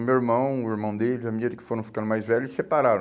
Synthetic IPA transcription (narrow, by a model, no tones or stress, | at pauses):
mewiɾmɐ̃w̃ʊiɾmɐ̃w̃d̪elɪzɐmĩɲid̪ɐkɪ̥foɾɐ̃w̃fi̥kɐ̃nd̪majzvɛʎʊɪsepaɾaɾɐ̃